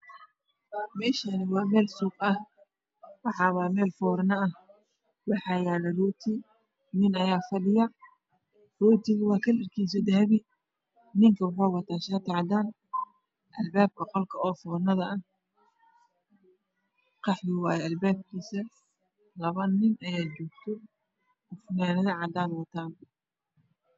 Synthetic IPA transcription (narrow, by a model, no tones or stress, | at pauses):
mɛːʃɐnɐwɑːmɛːlsuːqɐh | wɑħɑːβaːmɛːlfɔːɾnɐɐh | wɑħɑjaːlɐruːt̪ʰɪ | nɪnɐjaːfɐlɪjɐ | rɔːt̪ʰɪɣʊwɑːkʰɐlɪrkʰiːs̬ɐd̪ɐhɐβɪ | nɪŋkʰɐwʊħaːwɑt̪ʰaːʃaːt̪ʰɑʕd̪aːn | ʔɐlbaːb̚kɐqɔlkʰɐɔːfɔːrnɐðɐɐh | qɑħjɪwaːjɛɐlbaːb̚kʰiːsɐ | lɐβɐnɪnɐjaːt͡ʃɔːɡt̪ʰɔ | ʊfnaːnɐðɐʕɑd̪aːnwɑt̪ʰaːn